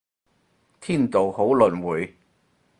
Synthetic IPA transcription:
t̪ʰiː˥˩nt̪o˨who˨˥wlɵ˨˩nwuː˨˥j

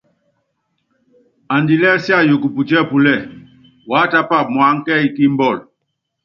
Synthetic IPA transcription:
a˨ndi˨lɛ˦sja˦˨jo˨ku˨pu˨tɛ˦˨pu˨lɛ˦˨ | wa˨˦ta˦pa˦˨mwa˨˦ŋ̩˦kɛ˦i˦ki˦m˦bɔ˦˨l

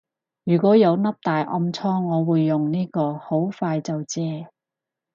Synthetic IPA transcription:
jyː˨˩kɔː˨˥jɐ˨˧wnɐ˥p̚t̪aː˨jʔɐ˧mt͡sʰɔː˥ŋːɔː˨˧wuː˨˧jːʊ˨˩ŋniː˥kɔː˧ho˨˥wfaː˧jt͡sɐ˨wt͡sɛː˧

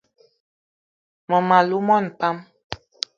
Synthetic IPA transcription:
mɔ˨ma˨lu˨˦mɔ˦˨n˨pa˦m

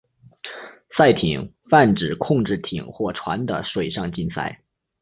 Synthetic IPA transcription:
sa˥˩ɪt̪ʰi˨˩˦ŋ | fa˥˩nʈ͡ʂɻ̩˨˩kʰʊ˥˧ŋʈ͡ʂɻ̩˥˩t̪ʰḭ˨˩ŋxwɔ˥˩ʈ͡ʂʰwa̰˧˥nd̪ə˧ʂwe˨˩ɪʂɑ˥˧ŋt͡ɕi˥˧nsa̰˥˩ɪ

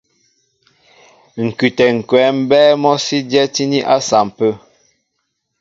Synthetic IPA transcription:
ŋ̩˨kʉ˨tɛ˨ŋ̩˨kwɛː˨˦m̩˦bɛː˦mɔ˦si˦djɛ˦ti˦ni˦ʔa˦sa˨m˨pə˦

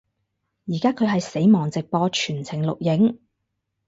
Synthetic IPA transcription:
jiː˨˩kaː˥kʰɵ˨˧ɥɦɐ˨jse˨˥jmɔː˨˩ŋt͡sɪ˨k̚pɔː˧t͡ʃʰyː˨˩nt͡sʰɪ˨˩ŋlʊ̰˨k̚jɪ˨˥ŋ

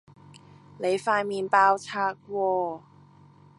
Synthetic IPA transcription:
le˨˥jfaː˧jmiː˧˩npaː˧wt͡ɕʰaː˧˩k̚wɔː˧

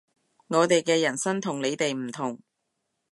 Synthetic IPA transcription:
ŋɔː˨˧t̪e˨jkɛː˧jɐ˨˩nsɐ˥nt̪ʰʊ˨˩ŋle˨˧jt̪e˨jm̩˨˩t̪ʰʊ˨˩ŋ

